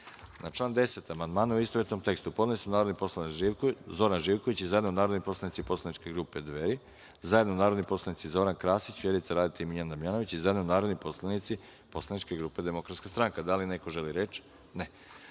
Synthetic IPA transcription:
nʔat͡ʃlˠaːnd̪e̞set̪amand̪maːnuuist̪oet̪nomt̪e̞kst̪upod̪leisunaːɾod̪nipo̞slˠanizo̞ɾanʒiːʋkoit͡ɕizajd̪nonaːɾod̪nipo̞slˠanit̪sipo̞slˠanit͡ʃke̞ɡɾuːped̪ʋeɾi | zajed̪nounaːɾo̞d̪nipo̞slˠanit̪sizo̞ɾankɾaːsit͡ɕʋjeɾuit̪seɾaːd̪it̪eimiʎand̪amjano̞ʋit͡ɕizajed̪nounaːɾod̪nipo̞slanit̪si | po̞slˠanit͡ʃkeɡɾuːped̪e̞mo̞kɾat̪skast̪ɾaŋkad̪alineko̞ʒeliɾet͡ʃ | ne

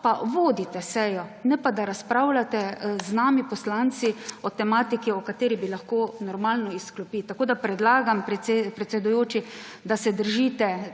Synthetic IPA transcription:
paʋoːd̪it̪ɛsɛjɔnɛpad̪aɾaspɾawlat̪ɛznaːmipɔslant̪siɔt̪ɛmaːt̪ikiɔkat̪eːɾibilaxkoːnɔɾmaːlnɔisklɔpiːt̪akoːd̪apɾɛd̪laːɡampepɾɛt̪sɛd̪ʊjoːt͡ʃi | d̪asɛd̪əɾʒiːt̪ɛ

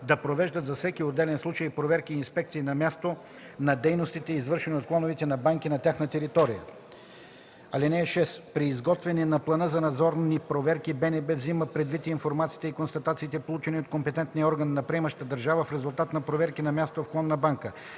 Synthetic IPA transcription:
d̪ɐpɾovɛʒd̪ət̪zɐfsɛkiod̪ːɛlɛnslˠut͡ʃəjpɾovɛɾkiːnspɛk̚t̪siːnɐmʲjast̪o | nɐd̪ɛjnost̪it̪ɛizvɤɾʃɛniot̪̚klˠɔnovit̪ɛnɐbaŋkinɐt̪ʲjaxnət̪ɛɾit̪ɔɾijə̰ | ɐlɛnɛʃɛspɾiːzɡɔt̪vɛnɛnɐplˠɐnɤzɐnɐd̪zɔɾnipɾovɛɾkibɛnɛbɛvziməpɾɛd̪vit̪iːnfoɾmat̪si̥ːt̪ɛikonst̪ɐt̪at̪siːt̪ɛpolˠut͡ʃɛniot̪̚kompɛt̪ɛnt̪niəɔɾɡənːɐpɾiɛmɐʃt̪əd̪ɐɾʒavəfɾɛzulˠt̪at̪nɐpɾovɛɾkinɐmʲast̪ofklˠɔnːɐbaŋkə

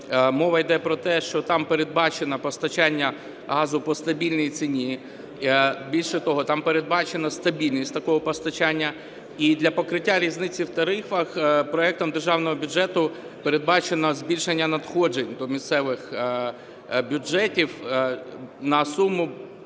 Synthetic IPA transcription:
mɔʋɐjd̪ɛpɾɔt̪ɛʃt͡ʃɔt̪ɑmpeɾed̪̚bɑt͡ʃenɐpɔst̪ɐt͡ʃanʲːɐ | ɦɑzʊpɔst̪ɐbʲilʲnɔjit͡s̪ʲinʲi | bʲilʲʃɛt̪ɔɦɔt̪ɑmpeɾed̪̚bɑt͡ʃe̞nɐst̪ɐbʲilʲnʲisʲtʲt̪ɐkɔɦɔpɔst̪ɐt͡ʃanʲːɐ | id̪lʲɐpɔkɾɪtʲːaɾʲiznɪt͡sʲiwt̪ɐɾɪfɐxpɾɔɛk̚t̪ɔmd̪erʒɑwnɔɦɔbʲʊd͡ʒɛt̪ʊ | peɾed̪̚bɑt͡ʃenɐzʲbʲilʲʃenʲːɐnɐd̪xɔd͡ʒenʲd̪ɔmʲist̪sɛʋɪx | bʲʊd͡ʒɛtʲiw | nɐsumʊ

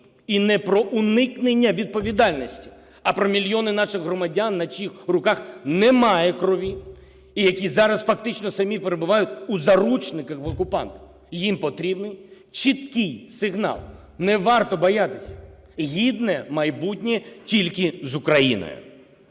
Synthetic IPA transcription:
inɛpɾɔʔʊnɪknenʲːɐʋʲid̪̚pɔʋʲid̪ɑlʲnɔsʲtʲi̥ | ɐpɾɔmʲilʲjɔnɪnɑʃɪɣɦɾɔmɐdʲanːɐt͡ʃʲixrʊkɑxnɛmɑjɛkɾɔʋʲi | ijɐkʲizɑɾɐsfɐk̚t̪ɪt͡ʃnɔsɐmʲipeɾebʊʋɑjʊt̪ʲuzɐɾut͡ʃnɪkɐxʋɔkʊpɑ̰nt̪ɐ̥ | jimpɔt̪ɾʲibnɪj | t͡ʃɪt̪̚kɪjsɪɦnɑ̰lˠ | nɛʋɑrt̪ɔbɔjat̪ɪ̥sʲɐ̥ɦʲid̪nɛmɐjbutʲnʲɛtʲilʲkɪzʊkɾɐjḭnɔ̰jʊ̰

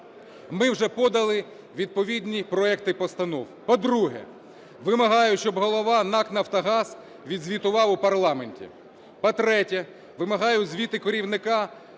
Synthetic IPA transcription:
mɪwʒɛpɔd̪ɐlˠɪ | ʋʲid̪̚pɔʋʲidʲnʲipɾɔɛkt̪ɪpɔst̪ɐnɔwpɔd̪ɾuɦɛ̰ | ʋɪmɐɦɑjʊʃt͡ʃɔbɦɔlˠɔʋɑnɑknɐwt̪ɐɦɑz | ʋʲid̪zʲʋʲit̪ʊʋɑwʊpɐrlˠɑmenʲtʲḭ | pɔt̪ɾɛtʲɛ | ʋɪmɐɦɑjʊzʲʋʲit̪ɪkɔɾʲiwnɪkɑ

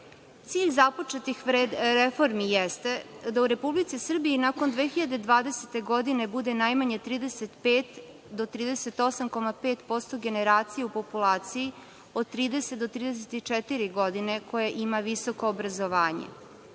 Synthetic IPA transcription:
t̪siːʎzapot͡ʃet̪ixʋɾed̪ɾefo̞ɾmijest̪e̞d̪auɾe̞publit̪sisr̩biinako̞nd̪ʋeːxiʎad̪e̞d̪ʋaːd̪e̞set̪e̞ɡo̞d̪ine̞bud̪e̞najmaɲet̪ɾiːd̪eset̪peːt̪ | d̪ot̪ɾiːd̪ese̞t̪o̞samko̞mapeːt̪po̞st̪o̞ɡe̞neɾaːt̪sijeupo̞pulˠaːt̪siji | od̪̚t̪ɾiːd̪e̞set̪d̪o̞t̪ɾiːd̪eset̪it͡ʃɛt̪iɾiɡo̞d̪ine̞ko̞jeʔimaʋiso̞ko̞ːbɾazo̞ʋaːɲḛ

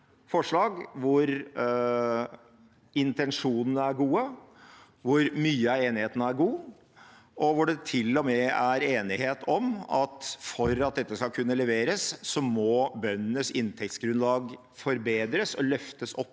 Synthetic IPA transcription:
fɔʂɭɑːɡʋʊɾ | ɪnt̪ɛnʂuːnənəæɾɡuːə | ʋʊɾmyːəɑeːnɪheːt̪ənəæɾɡuː | ʔɔʋʊɖɛt̪ʰɪlːɔmɛæɾeːnɪheːt̪ɔmɑt̪fɔɾɑt̪̚d̪ɛt̪ːəskɑlkʰʉnːəlɛʋeːɾəsːɔmɔbœnːənəsɪnt̪ʰɛkt̪sɡɾʉnd̪lɑːɡ | fɔɾbeːd̪ɾəsɔlœft̪əsɔpː

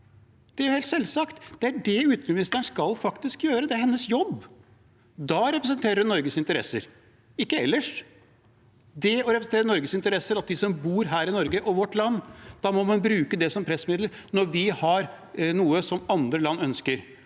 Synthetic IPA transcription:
d̪̥ɛæɾʊheːlt̪sɛlːsɑkt̪d̪̥ɛæɖɛʉːt̪mɪnɪst̪əəɳʂkɑlfɑkt̪ɪskjøːɾəd̪ɛæɾhɛnːəsjɔbː | d̪ɑɾɛpɾəsənt̪ʰeːɾəɖnɔɾɡəsɪnt̪əɾɛ̰sːə̰ɾ | ɪkːəɛ̰lːəʂ | d̪ɛɔɾɛpɾəsn̩t̪eːɾənɔɾɡəsɪnt̪əɾɛsːəɾɑt̪̚d̪ɪsɔmbuːɾɦæːɾɪnɔɾɡəʔɔʋɔʈːlɑnːd̪̥ɑmɔmɑnbɾʉːkəd̪ɛsɔmpʰɾɛsːmɪd̪ləɾ | nɔɾʋɪhɑɾ | nuːəsɔmɑnd̪ɾəlɑnːœnskəɾ

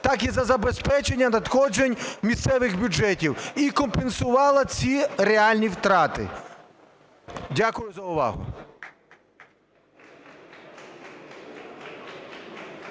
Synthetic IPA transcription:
t̪ɑkizɐzɐbe̞spɛt͡ʃe̞nʲːɐnɐt̪xɔd͡ʒenʲmʲist̪sɛʋɪxbʲʊd͡ʒɛtʲiwikɔmpensʊʋɑlˠɐt͡sʲireɑlʲnʲiwt̪ɾɑt̪ɪ̰ | dʲakʊjʊzɐʊʋɑ̰ɦʊ̰

